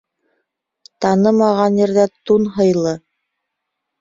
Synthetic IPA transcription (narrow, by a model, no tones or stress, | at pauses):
t̪ɑnɤmɑʁɑnjɘ̆ɾðæt̪unɦɤ̆jlˠɤ